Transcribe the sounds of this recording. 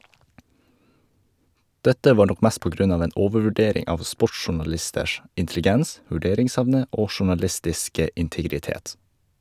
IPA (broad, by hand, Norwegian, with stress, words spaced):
ˈdɛtə ˈʋɑːɾ ˈnɔk ˈmæːs ˈpoː ˈɡɾʉn ˈɑːʋ ˈeːn ˈʔoːʋəʋʉˌɖeːɾɪŋ ˈɑːʋ ˈspɔʈsʃʊɳɑˌlɪstəʃ ɪntɛlɪˈɡɛns ʋʉˈɖeːɾɪŋˌsɛʋnə ˈoː ʃʊɳɑˈlɪstɪskə ɪntɪɡɾɪˈteːt